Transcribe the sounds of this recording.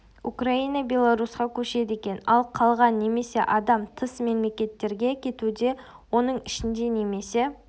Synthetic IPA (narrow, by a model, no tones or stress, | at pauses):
ukrainəbʲe̞lˠaɾusqɑkʲʰɵʃe̞d̪e̞kʲe̞nɑlˠqʰɑlˠʁɑnːe̞me̞se̞ʔɑd̪ɑmt̪ʰəsme̞mle̞kʲe̞t̪ːe̞ɾɡʲe̞kʲʰe̞t̪ud̪e̞ | wo̞nəɴɪʃɪnd̪e̞ne̞me̞se̞